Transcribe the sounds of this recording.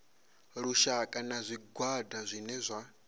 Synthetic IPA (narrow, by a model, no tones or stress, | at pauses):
ɺuʃakʼanazʷiɡwadazʷinɛzʷa